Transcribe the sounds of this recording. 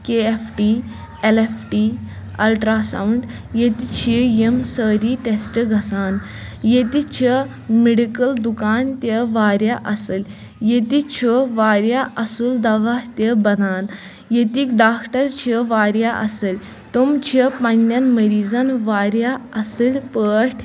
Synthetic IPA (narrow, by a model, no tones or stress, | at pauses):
keefʈi | elefʈi | ɐ̰lʈɾaːsa̰wuɳɖ | jet̪it͡ʃʰijemsəːɾiʈesʈɨɡʱɐsaːn | jet̪it͡ʃʰi | meɽikəld̪ukaːnt̪əʋaːɾjaʔɐsɨlʲ | jet̪it͡ɕʰoʋaːɾjaʔɐsuːld̪ɐʋaht̪əbɐnaːn | jet̪iːkɖaːkʈəɾt͡ɕʰiʋaːɾjaʔɐsəlʲ | t̪umt͡ɕʰipɐnːjanməɾiːzanʋaːɾjaɐsəlʲpəːʈʰ